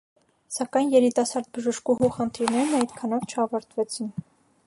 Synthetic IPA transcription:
sɑkɑjnjɛɾit̪ɑsɑɾd̪̚bəʒəʃkuɦuχənt̪ʰiɾnɛɾnɑjt̪kʰɑnɔvt͡ʃʰəɑvɑɾt̪vɛt͡sʰin

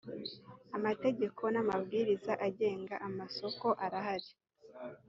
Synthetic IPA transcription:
amate̞ɟe̞kʰo̞namabɡiːɾizaʔaɟe̞ːŋɡaʔamaso̞ko̞ʔaɾaɦaɾi

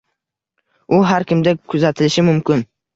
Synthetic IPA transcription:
ʊɦaɾkʲɪmd̪akʰʊzat̪ʰɪlɪʃɪmʊmkʲɪn

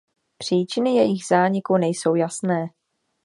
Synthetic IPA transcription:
pr̝̥iːt͡ʃɪnɪjɛjɪxzaːɲɪkunɛjso̞wjasnɛː

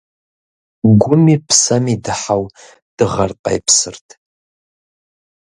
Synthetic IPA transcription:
ɡʷʊmipʰsamidɨħaw | d̥ɨʁarqʼa̰jpʰsɨrtʼ

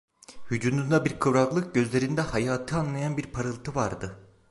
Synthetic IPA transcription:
hyd͡ʒund̪und̪abiɾkʰɯvɾaklˠɯk̚ɟø̞zlʲe̞ɾind̪ɛhajaːt̪ʰɯanlˠajanbiɾpʰaɾɯlˠt̪ʰɯvaɾd̪ɯ

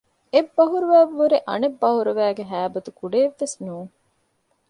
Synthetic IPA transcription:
ebːɐɦuɾuʋæːʋʋuɾeʔɐ̰nebːɐɦuɾuʋæːɡeɦæːbɐt̪ukuɖeːʋːesnuːŋ

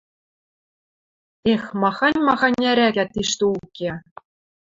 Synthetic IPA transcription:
exmɑχɑnʲmɑχɑnʲːæɾʲæɡʲæt̪ːiʃt̪uukʲːe

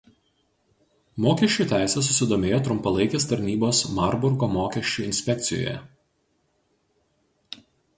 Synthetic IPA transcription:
moːkʲɛʃʲt͡ʃʲuːˑt̪ʲæˑɪsʲɛs̬ʊsʲɪd̪oːmʲeːjoːt̪ɾʊmpɐlˠɐɪkʲeːst̪ɐɾʲnʲiːboːsmɐɾbʊɾɡoːmoːkʲɛʃʲt͡ʃʲuːˑɪnʲsʲpʲɛk̚ʲt̪sʲɪjo̰ːjɛ̰

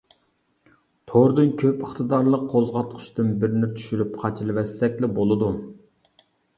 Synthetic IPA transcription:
t̪ʰoɾd̪ɨnkʲʰøpəχt̪ʰɨd̪ɑɾlˠəqʰːozʁɑt̪̚qʰʊ̥ʃt̪ɨnbɪɾɪnɪt̪ʰy̥ʃyɾypqʰɑt͡ʃʰɨlˠɨwɛsːɛkʲlɪbolˠɨd̪u

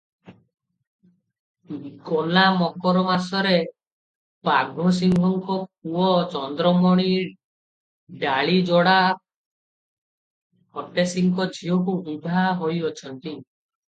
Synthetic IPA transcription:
ɡɔnamɔkɔɾɔmasɔɾe | paɡʱɔ̃s̬iŋɡʱɔŋkɔk̚uɔt͡ʃɔnd̪ɾɔmɔɽ̃i | ɖaɭid͡ʒɔɽa | hɔʈesiŋkɔd͡ʒʱiɔkubib̪ʱaɦojɔt͡ʃʰɔnt̪i

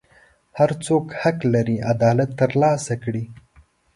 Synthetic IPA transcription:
haɾt͡sokhaklaɾiad̪ɑːlat̪ːəɾlɑːsakɽi

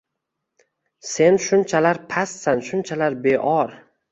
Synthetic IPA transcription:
se̞nʃʊnt͡ʃʰalaɾpʰassanʃʊnt͡ʃʰalaɾbeʔɒɾ

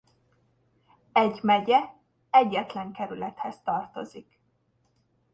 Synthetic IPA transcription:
ɛɟmɛɟɛ | ɛɟːɛt̪lɛŋkɛɾylɛt̪hɛzt̪ɒrt̪o̞zik

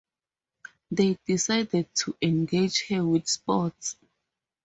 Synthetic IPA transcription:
ðedisajdɛd̚tʰuʔɛ̃nɡed͡ʒhɛwiθspɔts

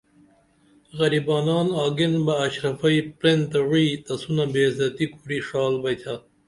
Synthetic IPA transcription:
ɣɐɾibɑːnɑːnɑːɡinbɐːɕɾɐfɐipɾent̪ɐɻiːt̪ɐsunabeːzɐt̪ikʰuɾiʂɑːlbɐt̪ʲʰa

